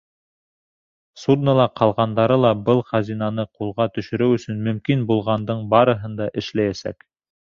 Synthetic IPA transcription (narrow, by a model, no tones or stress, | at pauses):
sud̪nəlˠɑqʰɑlˠʁɑnd̪ɑɾɤlˠɑbɤlˠχæzinɑnɤqulˠʁɑt̪ɵ̆ʃɵ̆ɾɘwɵ̆sɵnmɵ̆mkinbulˠʁɑnd̪ɤɴbɑɾɤ̆ɦɤnd̪ɑʔɘ̆ʃlæjæsæ̰k